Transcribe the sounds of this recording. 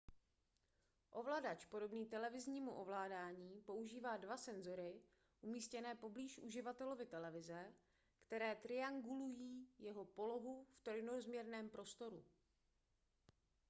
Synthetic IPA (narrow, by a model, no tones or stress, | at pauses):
ʔo̞vlaːdat͡ʃpo̞do̞bniːt̪ɛlɛvɪzɲiːmuʔo̞vlaːdaːɲiːpo̞uʒiːvaːdvasɛnzo̞ɾɪ | ʔumiːscɛnɛːpo̞bliːʃʔuʒɪvat̪ɛlo̞vɪt̪ɛlɛvɪzɛ | kt̪ɛɾɛːt̪ɾɪaŋɡulujiːjɛɦo̞po̞lo̞ɦuft̪ɾnozmɲɛɾnɛːmpɾo̞st̪o̞ɾu